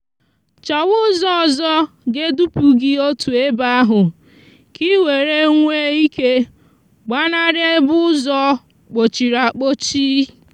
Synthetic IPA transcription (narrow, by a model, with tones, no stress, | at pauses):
t͡ʃa˨wʊ˦zɔ˦˨zɔ˦ | ɡe˦du˦pu˨ɡɪ˦o˦tu˨e˦ba˦a˦ɦʊ˨ | ki˦we˨ɾe˦ŋʷe˦i˦ke˦ | ɡ͡ba˦na˦ɾje˦bʊ˦ʊ˦zɔ˦ | k͡po˨t͡ʃi˨ɾa˨k͡po˦t͡ʃi˦